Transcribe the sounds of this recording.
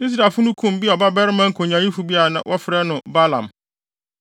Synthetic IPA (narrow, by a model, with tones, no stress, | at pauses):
ni˦s̬ɾa˨fʊ˦nʊ̃˦kʰũ˦˨m˦bi˦ɔ˨ba˦bɛ˦ɾɪ˦mã˦ŋ̩˦kʰo˨ɲã˨jĩ˦fu˨bi˦a˨nã̰˨wʔɔ˦fɪ˨ɾɛ˦nʊ̃˨ba˦lã̰˨m